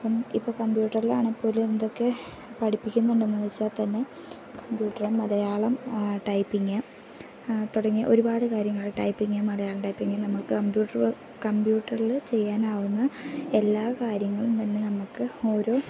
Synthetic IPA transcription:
pːɐmipːoːkɐmbjuːʈːɐrila̰ːɳepːo̞ːlume̞nd̪o̞kːe̞ | pɐʈʰipːikʲːunːuɳɖɨenːɐʋit͡ɕːaːt̪ɐnːe̞ | kɐmbjuːʈːɐrɐmːɐlɐjaːɭɐmʈɐjpːiŋːɐ | t̪uɽɐŋːijɐʔo̞ɾubaːɽɨkaːɾjɐŋːɐɭeʈɐjpːiŋːamːɐlɐjaːɭɐmʈɐjpːiŋɡilnɐmːuɭkɨkɐmbjuːʈːɐr | kɐmbjuːʈːɐrilɨt͡ɕe̞jːaːnaːwunːɐe̞lːaːkaːɾjɐŋːɐɭumt̪ɐnːenɐmukːɨo̞ːɾo̞ː

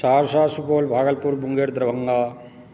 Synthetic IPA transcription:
saːɾsaːsupoːlbʱaːɡɐlpuɾbuŋɡeːɾd̪ɾɐʋɐŋɡaː

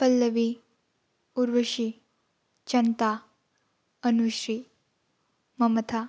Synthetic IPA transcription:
pɐlːəʋi | uɾʋəʃi | t͡ʃɐnt̪a | ənuʃɾiː | mɐmɐt̪ʰa

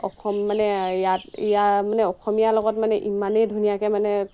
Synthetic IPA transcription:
ɔxʰɔmːanɛjatijamanɛɔxɔmijalɔɡɔtmanɛʔimanejdʱunijakɛmanɛ

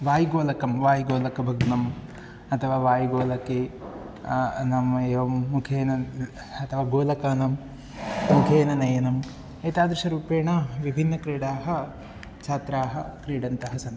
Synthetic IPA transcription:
ʋaːjɡoːlɐkɐmʋaːjɡoːlɐkɐbʱɐɡnɐm | ɐt̪ʰɐʋaːʋaːjɡoːlɐkeː | nɐmɐeːʋɐmːukʰeːnɐ | ɐt̪ʰɐʋaːɡoːlɐkɐːnɐm | mukʰeːnɐnɐjɐnɐm | eːt̪aːd̪ɾɐʂɐɾuːpeːɳɐʋibʱinːɐkɾiːɽaːɦɐ | t͡ʃʰaːt̪ɾaːɦɐ̆kɾiːɽɐnt̪ɐɦɐsɐnd̪

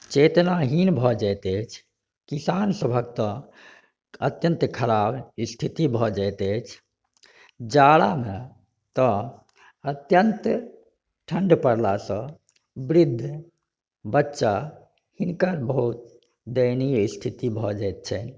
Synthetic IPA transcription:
t͡ʃet̪naɦinbʱɔd͡ʒajt̪ɛt͡ʃʰ | kisansəbʱəkt̪ɔ̃ | ət̪jənt̪kʰəɾabist̪ʰit̪ibʱɔd͡ʒajt̪ɛt͡ʃʰ | d͡ʒaɽame | t̪ɔ̃ | ət̪jənt̪ | ʈʰəɳɖpəɽlasə̃ | bɾid̪ʱː | bətːʃa | hinkəɾbəɦut̪̚ | d̪əjnist̪ʰit̪ibʱɔd͡ʒajt̪̚t͡ʃʰɛn

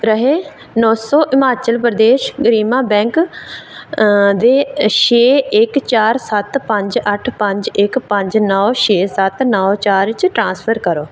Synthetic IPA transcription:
ɾəɦeː | nɔːsɔːʔɪmaːt͡ʃəlpɾəd̪eːʃɡəɾiːmãːbɛ̃ːŋk | d̪eːʃeːɪkt͡ʃaːɾsət̪pə̃ɲd͡ʒəʈʰpə̃ɲd͡ʒɪkpə̃ɲd͡ʒnɔːʃeːsət̪nɔːt͡ʃaːɾt͡ʃʈɾãːspʰəɾkəɾoː

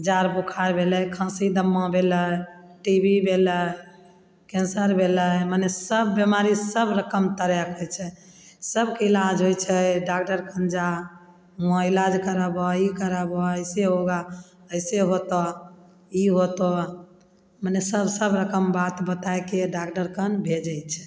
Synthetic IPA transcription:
d͡ʒaɾbokʰaɾbʱeləkʰə̃sid̪əmːãbʱeləʈibʱibʱelə | kẽnsəɾbʱeləmənesəbːjemaɾisəbɾəkəmt̪əɾjɛkɦot͡ʃʰɛ | səbkeilad͡ʒɦojt͡ʃʰɛɖak̚ʈəɾkʰə̃nd͡ʒa | ə̃ilad͡ʒkəɾəbɔikəɾəbɔəɪseɦoɡa | əɪseɦot̪ɔ | iɦot̪ɔ | mənesəbsəbɾəkəmbat̪bət̪aekeɖakʈəɾkənbʱed͡ʒat͡ʃʰɛ̥

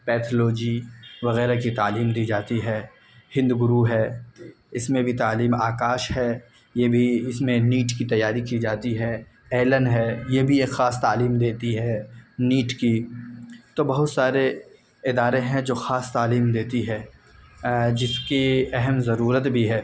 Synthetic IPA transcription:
pɛːt̪ʰəloːd͡ʒiʋɐɣɛːɾakit̪aːliːmd̪iːd͡ʒaːt̪iɦɛː | hɪ̃nd̪ɡʊɾuɦɛː | ɪsmẽbʱit̪aːliːmaːkaːʃɦɛ | jebʱiɪsmẽniːʈkit̪ɐjːaːɾikid͡ʒaːt̪iɦɛː | ɛːlənɦɛːjebʱieːkxaːst̪aːliːmd̪eːt̪iɦɛniːʈki | t̪obɐɦʊt̪saːɾe | ɪd̪aːɾeɦɛ̃d͡ʒoːxaːst̪aːliːmd̪eːt̪iɦɛː | d͡ʒɪskiɛɦɛmzɐɾuːɾət̪bʱiɦɛː

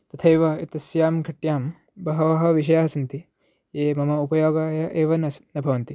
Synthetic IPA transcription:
t̪ɐt̪ʰɐjʋɐit̪ɐsjaːmɡʱɐʈjaːm | bɐɦɐʋɐɦɐ̆ʋiʃ̬ɐjaːɦɐsɐnt̪i | jeːmɐmɐupɐjoːɡaːjɐʔeːʋɐnɐsnɐbʱɐʋɐnt̪i

